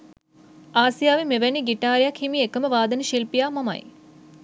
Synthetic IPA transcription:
aːsijaːʋimeʋæniɡiʈaːɾijakʰhimiekəməʋaːd̪ɐniʃilpijaːmɐmɐ̰j

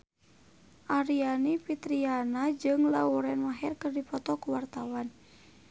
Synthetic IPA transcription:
ʔaɾianipit̪ɾianad͡ʒɨŋlauɾɛnmaɦɛrkərdipɔt̪ɔkuwart̪awan

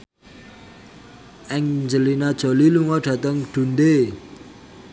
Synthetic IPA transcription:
ʔɛŋɲd͡ʒəlinad̥ʒ̥o̤liluŋɔdɖ̥ä̤t̪əŋɖ̪̥ṳnd̪e

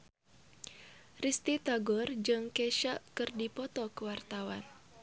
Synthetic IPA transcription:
rist̪it̪aɡɔrd͡ʒɨŋkɛʃaʔkɨrdipɔt̪ɔkəwart̪awan

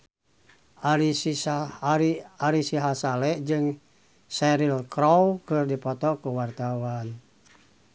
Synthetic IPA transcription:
ʔaisiiaɾisiɦasalɛʔd͡ʒɨŋ | sɛɾilkɾɔwkɨrdipɔt̪ɔkuwart̪awan

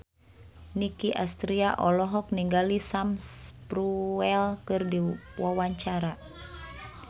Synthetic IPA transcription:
nikiʔast̪ɾiaʔɔlɔɦɔk̚niŋɡalisamspɾuɛlkɨrdiwawaɲt͡ʃaɾa

